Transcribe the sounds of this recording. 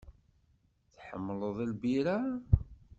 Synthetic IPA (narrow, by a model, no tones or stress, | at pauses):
θħə̰mːləðˤilbiɾa